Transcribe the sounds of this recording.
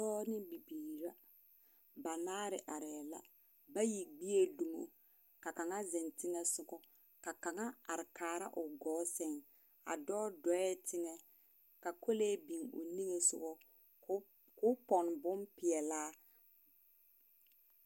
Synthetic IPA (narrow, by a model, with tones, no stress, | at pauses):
tɔː˦nɪ˦bi˨biː˨ɾa˦ | ba˨naː˦ɾɪ˨ʔa˨ɾɛː˨la̰˦ | ba˦ji˨ɡ͡bi˦e˦du˨mo̰˨ | ka˨ka˨ŋa˦zɛ˨ntɪ˦ŋɛ˦sʊ˨ɡɔ˦ | ka˨ka˨ŋa˦a˨ɾɪ˨kaː˨ɾa˦ʔʊ˨ɡɔː˨˦sɛ˨ŋ | a̰˨dɔː˦dɔ˨˦ɛ˦tɪ˦ŋɛ˦ | ka˨kʰo˦leː˦bi˨ŋʊ̰˨ni˦ŋe˨sʊ̰˨ɣɔ˦ | kʊ˦pɔ˨n˨bʊ˦mpɪ˨ɛ˨laː˦